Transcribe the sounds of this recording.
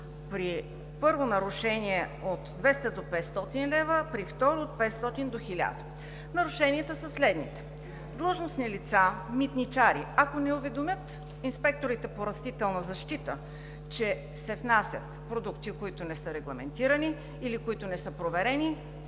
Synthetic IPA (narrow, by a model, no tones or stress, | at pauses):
pɾi | pɤɾvonɐɾuʃɛniɛot̪d̪vɛst̪əd̪opɛt̪st̪ɔt̪inlɛvəpɾift̪ɔɾoot̪̚pɛt̪st̪ɔt̪ind̪oxilʲa̰d̪ə | nɐɾuʃɛniət̪əsɐslɛd̪nit̪ɛ̥ | d̪lˠəʒnosnilit̪samit̪nit͡ʃaɾiakonɛovɛd̪omʲjət̪ | inspɛk̚t̪oɾit̪ɛpoɾɐst̪it̪ɛlˠnɐzɐʃt̪it̪ə | t͡ʃɛ | sɛfnasʲjə̰t̪pɾod̪ukt̪ikoit̪ʊnɛsɤɾɛɡlˠɐmɛnt̪iɾəniː | likoit̪ʊnɛsɤpɾovɛɾɛni